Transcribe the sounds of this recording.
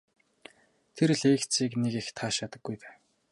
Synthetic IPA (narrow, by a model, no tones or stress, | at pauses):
t̪ʰeɾ̆ɮeːkt͡siːknekext̪ʰaːʃat̪ə̆ɡːujp̪æ̥ː